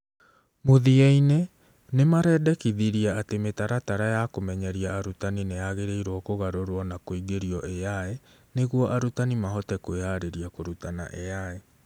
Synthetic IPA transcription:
moðiaine | nemaɾɛːdɛkiðiɾiaːtemetaɾataɾajakomɛɲɛɾiaːɾutaninejaɣeɾeiɾwɔkoɣaɾoɾwɔnakoiɡeɾiɔʔejaɛ | neɣwɔʔaɾutanimaɦɔtɛkoaɾeɾiakoɾutana̰ʔejae

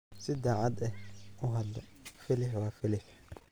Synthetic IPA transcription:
sɪd̪aːʕɑd̪ɛhʔʊɦɐd̪ɔfɪlɪħwɑːfɪlɪħ

